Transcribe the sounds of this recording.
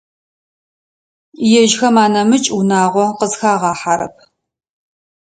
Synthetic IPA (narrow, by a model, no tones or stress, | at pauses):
jɛʒxɐmaːnɐmɨt͡ʃʼwnaːʁʷɔqəzxaːʁɑːħaɾɐ̰p̚ʰ